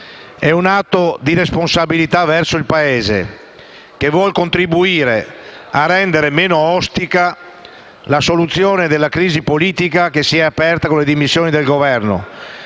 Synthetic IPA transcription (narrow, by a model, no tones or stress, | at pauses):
ɛunat̪ːod̪iɾesponsabilit̪avɛrsoilpaeːzḛ | kevwɔlkont̪ɾibuiːɾe | arːɛnd̪eɾemeːnoɔst̪ika | lasolut̪sːjoːned̪elːakɾiːzipoliːt̪ikakesiɛapɛrt̪akõled̪imisːjoːnid̪elɡovɛrno̰